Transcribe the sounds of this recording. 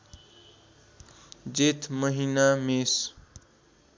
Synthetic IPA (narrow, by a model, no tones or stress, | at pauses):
d͡zet̪ʰmʌɦinames